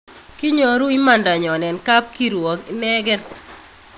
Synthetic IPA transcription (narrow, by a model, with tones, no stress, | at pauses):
ki˦ɲo˨ɾu˦i˦ma˨nda˨ɲɔ˨nɛ˨nka˦p̚ki˦ɾwɔ˨ki˦nɛ˦ɡɛ˦n